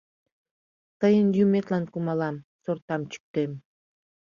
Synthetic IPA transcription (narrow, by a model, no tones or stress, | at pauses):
t̪ɤjənjumʲet̪lɑnkumɑlˠɑmsort̪ɑmt͡ɕy̥k̚t̪em